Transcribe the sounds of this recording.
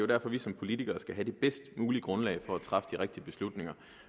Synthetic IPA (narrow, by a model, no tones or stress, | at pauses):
jod̥æɐfɒ̽ʋisɒ̽mpʰo̝lit͡sʰiɡ̥ɐːsɡ̥æɦæd̥ib̥esd̥muːliəɡ̥ʁɔ̽nlɛ̰ɪfɒ̽æt͡sʰʁɑ̈fə̥d̥iʁeɡ̥̚d̥iəb̥e̝slud̥ne̝ŋɐ